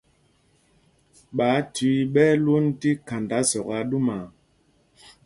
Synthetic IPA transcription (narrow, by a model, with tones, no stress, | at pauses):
ɓa˨˦ti˨˦ɓɛ˦lwo˦n˦ti˦ka˨nda˦sɔ˨ka˦ɗu˦ma˨